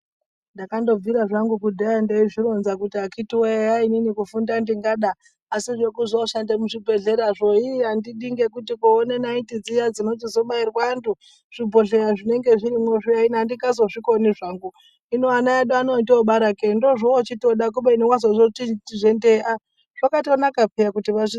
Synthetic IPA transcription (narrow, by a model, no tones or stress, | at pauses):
ndakando̞viɾaʐaŋɡukudʱaandeiʐiɾo̞nzakutiakitiweaininikufundandiŋɡaɗaː | siʐekuzoʃandemuʐibʱe̞ɮe̞ɾaʐoiandiɗiŋɡe̞kutikuːnenaitid͡zijad͡zinod͡zizo̞ɓairwandu | ʐ̥ibʱo̞ɬeɾaʐine̞ŋɡeʐiɾimeʂiainandikɡazoʐikoniʐaŋɡu | inoanaaɗuanotoɓaɾakendoʐoːt͡ʃitoɗak̬uɓeniwazozoitiʐendeʔa | ʐ̥okatonakapejakutiʋai